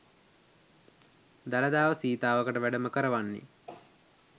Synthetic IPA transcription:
d̪alɐd̪aːʋəsiːt̪aːʋəkəʈəʋæɖəməkəɾəʋanːḭ

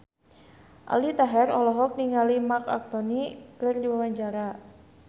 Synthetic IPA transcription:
ʔa̰lit̪aɦɛrɔlɔɦɔk̚niŋalimaka̰k̚t̪ɔnikərdiwawaɲd͡ʒaɾa

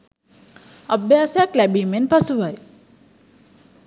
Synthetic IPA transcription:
əbjaːsjaklæbimenpʌsuʋaj

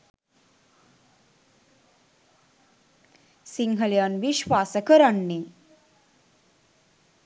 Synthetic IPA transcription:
siŋɦəljanʋiɕʋaːsəkəɾaɳːi

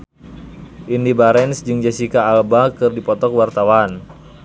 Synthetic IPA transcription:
ʔindibaɾɛnsd͡ʒɨŋd͡ʒasikaːlbakɨrdipɔt̪ɔkwart̪awan

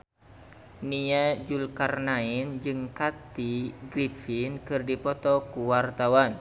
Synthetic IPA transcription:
niad͡ʒulkarnaind͡ʒɨŋkat̪iɡɾifinkɨrdipɔt̪ɔkuwart̪awan

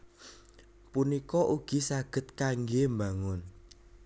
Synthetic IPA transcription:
punikɔʔuɡ̥i̤saɡ̥ə̤t̪̚kaŋɡembaŋʊn

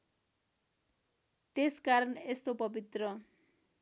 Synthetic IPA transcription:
t̪eskaɾʌnest̪opʌbit̪rʌ

